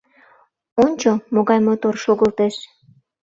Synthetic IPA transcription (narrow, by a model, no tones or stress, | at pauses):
onʲt͡ɕomoɣɑjmot̪orʃoɣəlt̪eʃ